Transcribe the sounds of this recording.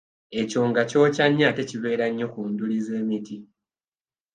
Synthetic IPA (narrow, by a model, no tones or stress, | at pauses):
e̞co̞ːŋɡaco̞ːcaɲːate̞ciβe̞ːɾaɲːo̞kuːndulize̞ːmiti